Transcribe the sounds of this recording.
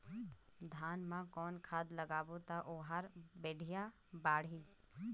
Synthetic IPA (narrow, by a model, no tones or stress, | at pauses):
d̪ʱaːnmãkɔːnkʰaːd̪ləɡaːbot̪aʔoɦaɾbeːɖʱija | baːɽ̤i